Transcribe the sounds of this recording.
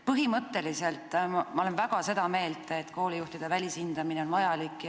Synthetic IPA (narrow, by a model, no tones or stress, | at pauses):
pɤɦimɤt̪ːe̞lise̞lt̪ːˑmɑolenvæɡ̥ɑse̞d̪̥ɑme̞ːlt̪ˑet̪ːko̞ːlijuht̪id̪̥e̞vælʲisind̪̥ɑmineo̞nvɑjɑlikːˑ